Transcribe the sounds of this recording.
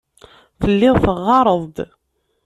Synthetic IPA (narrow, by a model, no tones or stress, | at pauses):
θəlːɪʁθəʁːɑɾˤəðˤd̪